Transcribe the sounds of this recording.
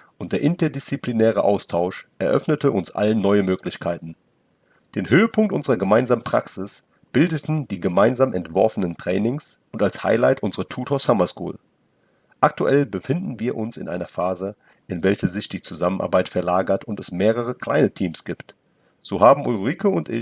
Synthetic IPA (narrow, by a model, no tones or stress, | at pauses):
ʔʊntd̥eːɐʔɪntɐdɪst͡siplinɛːʁ̞əʔa̰ʊstʰaʊʃʔɛɐʔœ̰fnətʰəʔʊnsʔa̰lənːɔʏəmøːklɪçkʰaɪtn̩ | d̥eːnhøːəpʰʊŋk̚tʔʊnzəʁɐɡəmaɪnzaːmənpʁ̥a̰ksɪs | b̥ɪldətn̩diːɡəmaɪnzaːmʔɛ̰ntv̥ɔɐfənəntʁ̥ɛːnɪŋsʔʊntalsha̰ɪlaɪtʔʊnzəʁətʰuːtʰoːɐsamɐskṵːl | ʔak̚tuʔɛlbəfɪndn̩viːɐʔʊnsɪ̰nʔa̰ɪnɐfaːzə | ʔɪnvɛlçəzɪçd̥iːt͡suzamənʔa̰ɐbaɪtfɛɐlaːɡɐtʊntɛsmeːʁəʁ̞əkʰl̥a̰ɪnətʰiːmsɡ̥iːpt | z̥oːɦaːbm̩ʔulʁiːkəʊntʔɪ̰